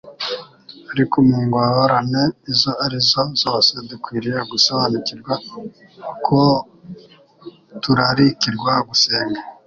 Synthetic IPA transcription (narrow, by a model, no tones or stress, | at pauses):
aɾikumuŋɡwawaɾaneizo̞aɾizo̞zoːsedukwiːɾijeɡusaβaniciɾɡwa | kʰo | tuɾaɾikiɾɡwaɡuseːŋɡa